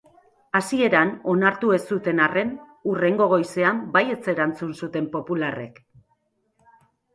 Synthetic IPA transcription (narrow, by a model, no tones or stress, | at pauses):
asie̞ɾano̞naɾt̪ue̞sut̪e̞nare̞n | ure̞ŋɡo̞ɣ̞o̞jse̞ambaje̞t͡se̞ɾant͡sunsut̪e̞mpo̞pulare̞̰k